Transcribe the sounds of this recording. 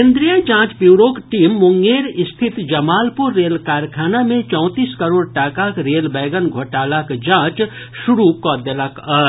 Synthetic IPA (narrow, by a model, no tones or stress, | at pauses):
ẽnd̪ɾijə̃d͡ʒãːt͡ʃpjuːɾoːkʈiːmːʊŋɡeːɾɪst̪ʰɪt̪d͡ʒɐmaːlpʊɾːeːlkaːɾjkʰaːnamẽt͡ʃɔ̃ʊt̪iːskɐɾoːɽʈaːkakɾeːlbɛːɡənɡʱoʈaːlakd͡ʒãːt͡ʃ | ʃʊɾukɔːd̪əlak